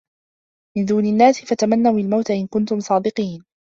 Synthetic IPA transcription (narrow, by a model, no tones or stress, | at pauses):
mɪnd̪uːnɪnːaːsɪfat̪amanːawɪlmawt̪aʔɪnkʊnt̪ʊmsˤɑːd̪ɨqiːn